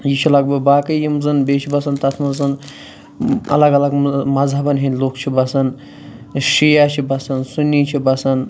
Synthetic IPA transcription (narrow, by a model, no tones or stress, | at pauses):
jit͡ʃʰilɐɡ̚bɨbaːkɐjimzɨnbeːt͡ʃʰibɐsɐnt̪ɐt̪ʰmɐzɨn | ɐ̰lɐɡɐlɐɡmɐzɦɐbɐnɦinʲloːkt͡ʃʰibɐsɐn | ʃijaːt͡ʃʰibɐsɐnsunʲːit͡ʃʰibɐsɐn